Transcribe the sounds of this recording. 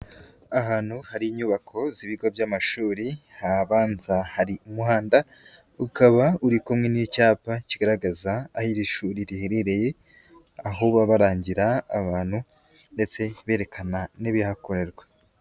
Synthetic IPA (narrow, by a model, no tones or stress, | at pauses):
aɦaːnhuhaɾiiɲuːβakʰo̞ziβiɡo̞bjamaʃuːɾihaβaːnz̥ahaɾiumuhaːnda | ukaβauɾikomŋenicaːpaciɡaɾaɡazaːhiɾiʃuːɾiɾiheɾeɾe̞je̞ | aɦuβaβaɾaːɲɟiɾaːβaːn̥hu | nde̞t͡se̞βe̞ːɾe̞kʰananiβihakoɾe̞ɾɡwe